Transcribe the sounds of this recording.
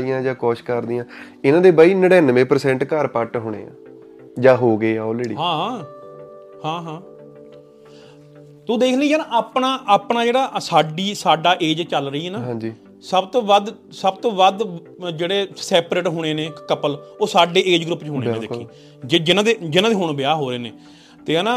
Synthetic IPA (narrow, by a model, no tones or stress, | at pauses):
ijãːd͡ʒãːkɔːʃkəɾd̪ijãː | ɪnãːd̪eːbaːiːnəɽɛːnʋẽːpəɾsɛ̃ːɳʈkəɾpəʈɦʊːɽ̃ḛːã̰ː | d͡ʒãːɦoːɡeːɔːlɾeːɖiːɦãː | hãːɦãː | t̪ud̪eːkʰlid͡ʒaːnaaːpɳaːʔaːpɳaːd͡ʒeːɽaːʔsaːɖiːsaːɖaːʔeːd͡ʒt͡ʃəlɾəiːɦɛːnãːɦãːd͡ʒiː | səbt̪oːʋəd̪ | səbt̪oːʋəd̪ | d͡ʒeːɽeːsɛːpɾeːʈɦʊːɽ̃eːneːkəpəloːsaːɖeːʔeːd͡ʒɡɾʊpːt͡ʃɦoːɽ̃eːẽːd̪eːkkĩː | d͡ʒed͡ʒɪnãːd̪eːd͡ʒɪnãːd̪eːɦʊɳbɪjaːɦoːɾeːneː | t̪eːɛːnãː